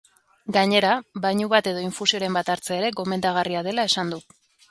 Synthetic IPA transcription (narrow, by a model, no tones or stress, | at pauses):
ɡaɲe̞ɾaβajɲuβat̪e̞ðo̞iɱfusio̞ɾe̞mbat̪aɾt͡seːɾe̞ɣo̞me̞nd̪aɣ̞ariað̞e̞lae̞sand̪u